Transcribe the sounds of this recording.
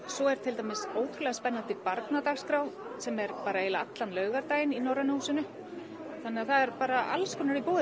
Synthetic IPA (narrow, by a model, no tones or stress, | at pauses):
sɔɛɾ̥t̪ʰɪlt̪amɪsoːwt̪ʰɾʏlɛɣaspɛnːant̪ɪpaɾt̪nat̪axskɾawsɛmɛɾpaːɾaelaat̪lanlœːɥɣaɾt̪aːjɪninɔwranusʏnʏ | θanːɪaθaðɛɾpaːɾaa̰lskʰɔnaɾipoːðʏ